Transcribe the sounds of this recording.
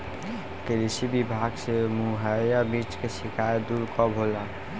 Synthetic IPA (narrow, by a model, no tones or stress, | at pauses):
kelisibibʱaɡsemuɦajabit͡ʃkesikʰajd̪uɾkɔbʱola